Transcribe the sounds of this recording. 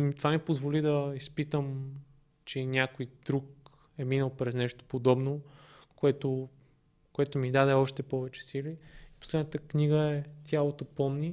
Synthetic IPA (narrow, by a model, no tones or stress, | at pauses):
mt̪ovamipozvolid̪ɐispit̪əm | t͡ʃɛinʲakojd̪̥ɾuk̚ | ɛminəlˠpɾɛznɛʃt̪o̥pod̪ɔbno | koɛt̪o | koɛt̪omid̪ad̪ɛɔʃt̪ɛpɔvɛt͡ʃɛ̥siliipo̥slɛd̪nət̪əkniɡəɛt̪ʰʲjalˠot̪opɔmni